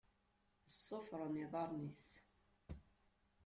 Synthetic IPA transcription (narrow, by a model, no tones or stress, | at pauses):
əsˤːofɾˤəniðˤɑɾˤnis